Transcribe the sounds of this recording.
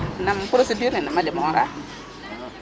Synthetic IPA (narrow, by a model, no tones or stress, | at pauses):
nampʊɾosediɾninamadɛmɔɔɾa̰